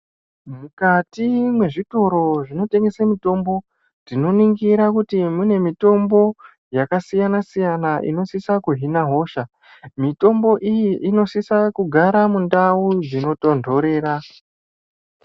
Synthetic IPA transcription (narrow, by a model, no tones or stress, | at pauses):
mukatimwe̞ʐito̞ɾo̞ʐino̞te̞ŋɡe̞samito̞mbo̞ | rino̞niŋɡiɾakutimune̞mito̞mbo̞ | jakasijanasijanaʔḭno̞sisakuɦinaɦo̞ːʃa | mito̞mbo̞ʔijiʔino̞sisakuɡʱaɾamundaud͡zino̞to̞ndʱo̞ɾe̞ːɾa